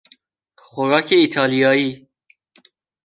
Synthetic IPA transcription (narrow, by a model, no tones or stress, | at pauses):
xoɾɒːkʰeit̪ʰɑːlijɑːiː